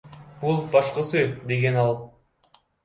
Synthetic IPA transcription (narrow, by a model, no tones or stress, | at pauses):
b̥ulˠbɑʃqɯsɯd̪e̞ɡe̞nɑlˠ